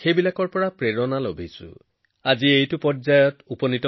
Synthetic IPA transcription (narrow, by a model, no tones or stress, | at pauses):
xejbilakɔɹpɔɹapɹeɹɔnalobʱisʊ̰ | aziejtʊpɔtzajɔtupɔnitɔ